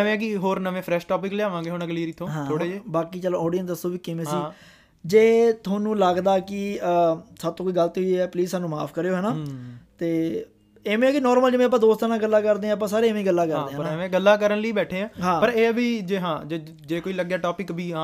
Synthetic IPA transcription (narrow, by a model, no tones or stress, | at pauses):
ʋẽːk̬ɪɦoːɾnəʋẽːpʰɾɛːʃʈɔːp̬ɪkleaːʋãːŋɡeːɦoːnːɡəliːɾɪt̪ʰːõːɦãːoːɽeːd͡ʒebaːkiːt͡ʃəlõːɔːɖɪjənsd̪əsõːbiːkɪmẽːsiː | d͡ʒeːt̪ʰoːnũːləɡd̪aːkɪəsəb̚t̪õːkoiːɡəlt̪oieːɛːpliːzsaːnũːma̰ːpʰkəɾeːoːɦɛːnaːt̪eː | eːmẽːkɪnɔːɾməld͡ʒmẽːp̬ːãːd̪oːst̪əɾãːɡəlːaːkəɾd̪eːãːəp̬ãːsaːɾeːʋẽːɡəlːaːkəɾd̪eːaːəʋẽːɡəlːãːkəɾənləiːbɛːʈʰeːãːɦãːpəɾeːbiːd͡ʒeːɦãːd͡ʒeː | d͡ʒeːkoːiːləɡjaːʈoːpɪkbʱiːãː